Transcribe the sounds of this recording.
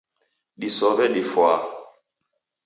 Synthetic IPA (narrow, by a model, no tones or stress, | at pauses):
ɗisɔɓɛɗifwa